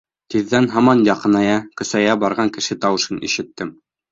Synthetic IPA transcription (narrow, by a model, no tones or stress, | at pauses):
t̪iðːænɦɑmɑnjɑqɤ̆nɑjɑkɵ̆sæjæbɑɾʁɑŋkɘ̆ʃɘt̪ɑwɤ̆ʃɤnḭʃɘ̆t̪ːɘm